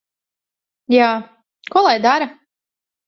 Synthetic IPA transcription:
jaː | kuɔlˠajd̪aɾa

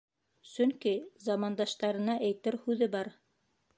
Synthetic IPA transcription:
sɵŋkizɑmɑnd̪ɑʃt̪ɑɾɤ̆nɑʔæjt̪ɘɾhʉðɘbɑɾ

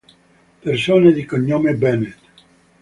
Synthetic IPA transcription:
persoːned̪ikoɲːomebɛnet̪

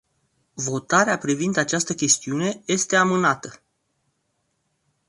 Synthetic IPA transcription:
vo̞t̪aɾeapɾivind̪at͡ʃast̪əkʲe̞st̪iune̞je̞st̪e̞amɨnat̪ə

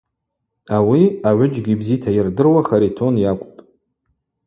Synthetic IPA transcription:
awiaʕʷʊd͡ʒɡʲibzitʰajɪrdɨrwaχaɾitʰo̞njakʷʼpʼ

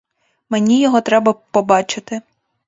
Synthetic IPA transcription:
menʲijɔɦɔt̪ɾɛbɐpɔbɑt͡ʃɪt̪ɪ

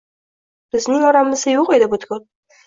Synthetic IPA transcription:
b̥ɪznɪŋɒɾamɪzajoqe̞d̪ɪbot̪kol

